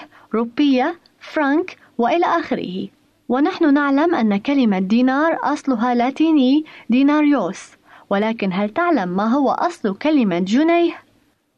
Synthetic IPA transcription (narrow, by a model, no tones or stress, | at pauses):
ɾuːbːɪjːa | fɾank | wɪʔɪlaːʔaːxɪɾɪ̰hɪ | wɪnaħnʊnaʕlamʔanːakalɪmad̪iːnɑːɾˤʔɑsˤlʊɦalaːt̪iːniːd̪iːnaːɾjoːs | wɪlaːkɪnɦalt̪ɪʕlamːaːɦʊwa̰ʔɑsˤlkalɪmad͡ʒʊnajh